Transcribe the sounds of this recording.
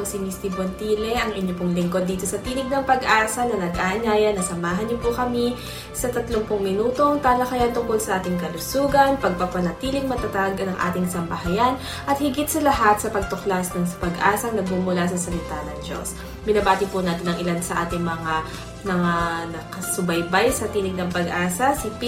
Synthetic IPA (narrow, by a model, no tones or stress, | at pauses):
osɪmist̪ɪbwɐnt̪iːlɛʔɐŋʔɪɲjopʊŋlɪŋko̞d̪ːiːt̪o̞sɐt̪iːlɪɡ̚nɐŋpɐɡʔaːsɐnɐnɐɡʔaɲaːjɐnɐsɐmaːɦɐnɲopʊkɐmi | sɐt̪ɐt̪loŋpʊŋmɪnuːt̪o̞ŋt̪aːlɐkɐjant̪ʊŋkolsɐʔaːt̪ɪŋkɐlʊsuːɡɐnpɐɡ̚pɐpɐnɐt̪iːlɪŋmɐt̪ɐt̪aɡ̪ɐŋʔa̰ːt̪ɪŋsɐmbɐɦɐjan | ʔɐt̪̚hɪɡɪt̪sɐlɐɦat̪̚sɐpɐɡ̚t̪oklasnɐŋspɐɡʔaːsɐŋnɐɡ̚muːmʊlasɐsɐlɪt̪anɐŋd͡ʒo̰s | bɪnɐbaːt̪ɪpʊnaːt̪ɪnɐŋʔɪlad̪sɐʔaːt̪ɪŋmɐŋa | mɐŋanɐkɐsʊbɐjbajsɐt̪iːnɪɡ̚nɐŋpɐɡʔaːsɐsɪp